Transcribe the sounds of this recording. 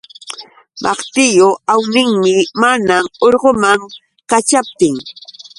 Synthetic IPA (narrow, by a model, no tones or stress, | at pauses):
mʔɑqt̪ɪjoawnɪŋmɪmanamoɾɢomaŋ | kat͡ʃap̚t̪ɪŋ